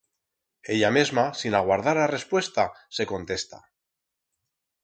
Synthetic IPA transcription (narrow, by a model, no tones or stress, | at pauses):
e̞ʎamezmasinaɣwaɾð̞aɾare̞spwe̞st̪ase̞ko̞nt̪e̞st̪a̰